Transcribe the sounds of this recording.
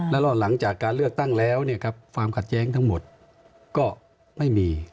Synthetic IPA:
lɛ˦˥˩lɔː˧˩nla˩˦ŋt͡ɕaː˨˩kːaː˧nlɯ˥˩ək̚t̪a˥˩ŋlɛː˦˥˩wni˥˩ɐkʰa˦˥p̚kʰwaː˧mkʰa˨˩t̪̚jɛː˦˥ŋt̪ʰa˦˥ŋmo˨˩t̪̚ | kɔː˥˩ | ma˥˩jmiː˧

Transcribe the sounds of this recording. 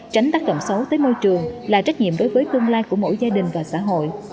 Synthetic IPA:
t͡ɕa˨˦ŋ̟t̪aː˦˥k̚ɗə̰˧˨wŋ͡msə˨˦wt̪əː˨˦jmo˧jt͡ɕɨ˨˩əŋlaː˨˩t͡ɕa˦˥k̟̚ɲḭ˧˨əmɗo˨˦jvəː˨˦jt̪ɨ˧əŋlaː˧jku˧˩əmo̰˧˥jzaː˧ɗï˨˩ŋ̟vaː˨˩sa̰ː˧˥ɦo̰˧˨j

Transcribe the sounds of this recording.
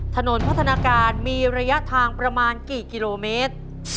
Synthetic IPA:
t̪ʰa˧no˩˦npʰa˦˥t̪ʰa˧naː˧kaː˧nmiː˧ɾa˧ja˦˥ʔt̪ʰaː˧ŋpɾa˧maː˧nkiː˨˩ki˧loː˧meː˦˥t̪̚

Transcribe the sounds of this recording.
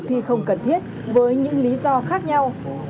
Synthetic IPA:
t̪ʰi˨˩xə˧wŋ͡mkə˨˩nt̪ʰi˦˥ət̚ | vəː˨˦jɲɨ̰˧˥ŋli˨˦zɔ˧xaː˦˥k̚ɲa˧w

